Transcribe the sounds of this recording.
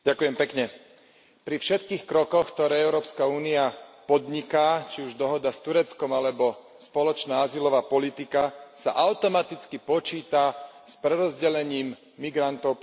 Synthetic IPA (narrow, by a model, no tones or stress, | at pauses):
ɟakujɛmpɛkɲɛ | pɾifʃɛt̪kiːxkɾɔkɔxkt̪ɔɾɛːɛʊɾɔːpskauːniapɔd̪ɲikaːt͡ʃiuʒd̪ɔɦɔd̪ast̪uɾɛt͡skɔmalɛbɔ | spɔlɔt͡ʃnaːazilɔʋaːpɔlit̪ikasa̰ʔaʊt̪ɔmat̪it͡skipɔt͡ʃiːt̪aspɾɛɾɔzɟɛʎɛɲiːmː | iɡɾant̪ɔʊ